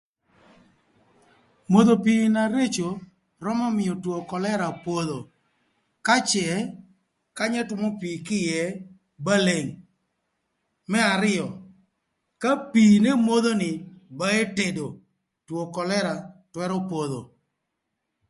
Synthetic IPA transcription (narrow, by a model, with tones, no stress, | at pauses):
mo˨ðo˨pi˦na˨ɾe˦t͡ʃo˨ | ɾɔ˦mɔ˦mɪ˨ɔ˨two˨kɔ˨lɛ˦ɾa˨pwo˦ðo˨ | ka˦t͡ʃɛ˨ | ka˦ɲɛ˦tʊ˦mo˦pi˨kɪ˦jɛ˨˦ | ba˦le˨ŋ | mɛ˦a˨ɾɪ˦jɔ˨ | ka˦pi˨ne˦mo˦d̪o˦nɪ˨ba˦e˦te˨do˨ | two˨kɔ˨lɛ˦ɾa˨twɛ˦ɾɔ˦po˨ðo̰˨